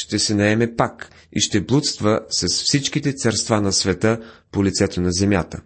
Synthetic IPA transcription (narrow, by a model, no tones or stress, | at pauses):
ʃt̪ɛsɛnɐɛmɛpak | ḭʃt̪ɛblˠut̪st̪vəsɐsfsit͡ʃk̟it̪ɛt̪sɐɾst̪vanɐsvɛt̪əpolit̪sɛt̪onɐzɛmʲjat̪ə